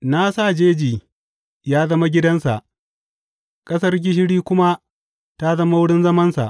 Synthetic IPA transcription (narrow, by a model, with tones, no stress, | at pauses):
na˦sa˦˨d͡ʒeː˦d͡ʒiː˨ | jaː˦zɐ˦ma˦ɡʲɪ˦dɐ˦nsa̰˨ʔ | kʼɐ˦sɐ˦rɡʲɪ˦ʃ̬ɪ˦ɽiː˦kʷʊ˦ma˦ | ta˦zɐ˦ma˦wʊ˦ɽɪ˦nzɐ˦mɐ˦nsa̰˨ʔ